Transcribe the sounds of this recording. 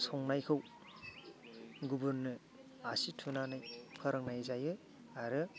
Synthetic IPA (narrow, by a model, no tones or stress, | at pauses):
sɔŋnajkʰɯw | ɡubuɾnɯ | asitʰunanajpʰɐɾaŋnajzajɯ | aɾɯ